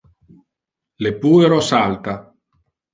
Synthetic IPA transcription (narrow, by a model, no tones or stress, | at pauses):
lepuːeɾɔsalt̪a